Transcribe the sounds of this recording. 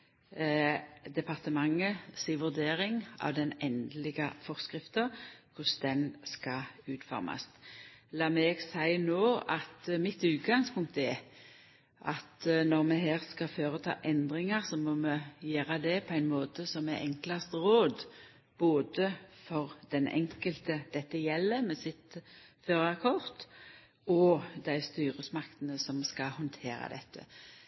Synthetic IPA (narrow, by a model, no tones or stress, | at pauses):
d̪ɛpʰɑʁt̪əmɑŋːəsiːʋʉɾd̪eːɾɪŋɑ̰ʋd̪ɛnɛnd̪lɪɡəfɔʁskʁɪft̪əʁkʰʊsd̪ɛnskɑʉːt̪fɔ̰ɾmʔɑ̰st̪lɑːmeːɡsæɪnoːɑt̪mɪt̪ʉːt̪ɡɑŋspʰʊŋk̚t̪ɛ | ʔɑt̪nɔʁmɛɦeːʁskɑføːʁət̪ʰɑ̰ːʔɛnd̪ʁɪŋɑʁsɔmɔməjøːɾɑd̪ɛpʰɔæɪnmoːt̪əsɔmɛʔɛŋklɑst̪ʁoːd̪ | b̥oːd̪əfɔʁd̪ɛnʔɛ̰ŋkəlt̪əd̪̥ɛt̪ːəjɛlːəmɛsɪt̪føːɾɑkʰɔʁt̪ | ɔd̪æɪst̪yːɾəsmɑkt̪ənəsɔmskɑhɔnt̪ʰeːɾɑ̰d̪ɛ̰t̪ʰːə̰